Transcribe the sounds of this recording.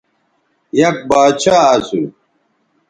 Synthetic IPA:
jɐk̚baːt͡ɕʰaːsu

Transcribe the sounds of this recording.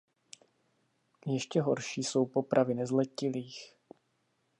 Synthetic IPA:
jɛʃcɛɦo̞ɾʃiːso̞wpo̞pɾʔavɪnɛzlɛcɪliːx

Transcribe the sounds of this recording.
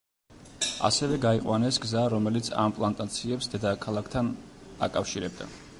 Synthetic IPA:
a̰sɛvɛɡaiqʼwanɛsɡzaɾɔmɛlit̪sʰa̰mpʼlˠant̪ʼat̪sʰiɛpsd̪ɛd̪akʰalˠakʰt̪ʰana̰kʼafʃiɾɛb̚d̪a̰

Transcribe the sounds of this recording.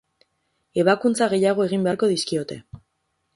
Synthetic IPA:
e̞βakunt͡saɣ̞e̞jaɣ̞o̞e̞ɣ̞imbe̞ako̞ðiskio̞t̪e̞

